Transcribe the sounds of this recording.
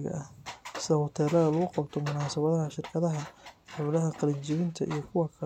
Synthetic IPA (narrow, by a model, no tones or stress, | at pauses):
ɣɐ̰ɐhsɐhʊt̪ʰɛːlɐðɐlʊɣʊqɑbt̪ʰɔmʊnaːsɐβɐðɐɦɐʃɪrkʰɐðɐɦɐħʊlɐɦɐqɑlɪnt͡ʃɪβɪnt̪ʰɐʔḭjɞkʰʊwɑkʰɐ